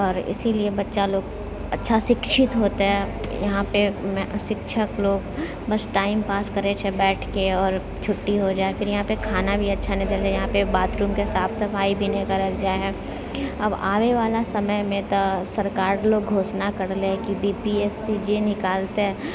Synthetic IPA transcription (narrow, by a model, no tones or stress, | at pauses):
ɔːɾɪ̰siliebɐtːʃaloːɡ | ɐ̰tːʃʰaʃɪkʃɪt̪ɦoːt̪eɦɛjɐ̰ɦãpemɛ̃ʃɪkʃʰəkloːɡ | bɐsʈaːɪmpaːskɐɾet͡ʃʰebɛːʈʰkeɔːɾ | t͡ʃʰʊʈːiɦod͡ʒaːefɪɾjɐɦãpekʰaːnabʱiɐtːʃʰanɪ̃d̪eld͡ʒaːjɐɦãpebaːt̪ɾuːmkeɦɪsaːbsɐfaːibʱinẽkɐɾəkd͡ʒaːeɦɛː | ɐba̰ːʋeʋaːlasɐməjmẽt̪osɐɾkaːɾloːɡɡʱoːsnakɐɾleɦkibiːpiɛːfsid͡ʒenɪkaːlt̪eɦɛ̃ː